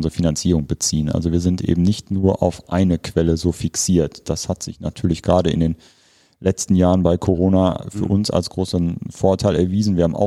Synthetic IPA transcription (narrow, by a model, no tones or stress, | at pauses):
nzəʁəfinant͡siːʁʊŋb̥ət͡siːənʔa̰lzoviːɐzɪntʔḛːbm̩nɪçtnuːɐʔa̰ʊfʔa̰ɪnəkʰv̥ɛləzoːfɪksiːɐtd̥ashatz̥ɪçnatʰyːɐlɪçɡ̥ʁaːɾəɪ̰ndeːn | lɛt͡stn̩jaːʁənbaɪkʰoʁoːnafyːɐʔʊnsa̰lsɡ̥ʁoːsənfoːɐtʰaɪlʔɛɐviːzn̩viːɐaːbm̩ʔa̰ʊ